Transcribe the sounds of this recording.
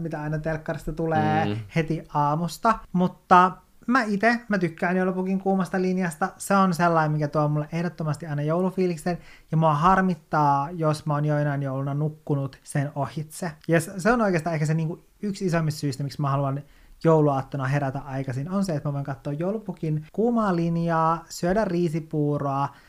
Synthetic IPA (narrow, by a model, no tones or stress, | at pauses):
mit̪æɑinɑt̪elkːɑrist̪ɑt̪uleːhet̪iɑːmust̪ɑmut̪ːɑ | mæit̪emæt̪ykːæːnjolupukiŋkuːmɑst̪ɑlinjɑst̪ɑseonselːɑimmikæt̪uɑmulːeʔehdot̪ːomɑst̪iɑinɑjoulufiːliksenjɑmuɑhɑrmit̪ːɑːjosmæoːnjoinɑinjoulunɑnukːunut̪senohit̪sejɑsseonoijkest̪ɑːehkæseniːŋku | yksisomːist̪syːst̪æmiksmæhɑluɑn | jowluɑːt̪ːonɑɦeɾæt̪æʔɑikɑsinonseet̪mæʋoiŋkɑt̪ːoːjjoulupukinkuːmɑːlinjɑːsyødærriːsipuːroɑ